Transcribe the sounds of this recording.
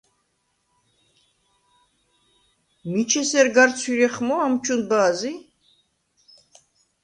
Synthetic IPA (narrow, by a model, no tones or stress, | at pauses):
mit͡ʃʰɛsɛɾɡaɾt͡sʰiɾɛχmɔamt͡ʃʼunbaːzi